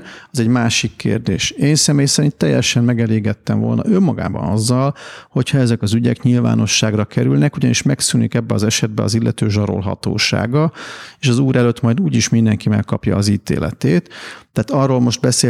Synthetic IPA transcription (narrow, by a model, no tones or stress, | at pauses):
ɒzɛɟmaːʃikːḛːrd̪ḛːʃeːnsɛmeːjsɛɾint̪ːɛjːɛʃɛmmɛɡɛleːɡɛt̪ːɛmvo̞lnɒ̰ʔømːɒɡa̰ːbɒ̰nɒzːɒlho̞cʰhɒɛzɛkɒzyɟɛ̰kɲilva̰ːno̞ʃːaːɡrɒkɛɾylnɛkuɟɒniʃmɛksynikɛbːɛɒzɛʃɛd̪̚bɛɒzilːʔɛt̪øːʒɒɾo̞̰lɦɒ̰t̪o̰ːʃa̰ːɡɒeːʃɒzuːɾɛløt̪mɒjd̪uːɟiʃmind̪ɛŋkimɛkːɒpjɒːziːt̪ḛːlɛ̰t̪eːt̪ːɛaːt̪ɒrːoːlmo̞ʃt̪̚bɛseː